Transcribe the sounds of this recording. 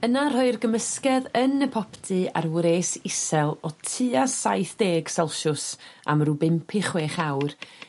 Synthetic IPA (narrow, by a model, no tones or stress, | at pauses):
ənar̥hɔɨrɡəməskɛðənəpʰɔpʰtʰɨa̰rwɾeːsɪsɛlˠɔtʰɨasajθd̥eːɡ̥sɛlˠʃʊsa̰mrubɪmpʰɪχweːχawr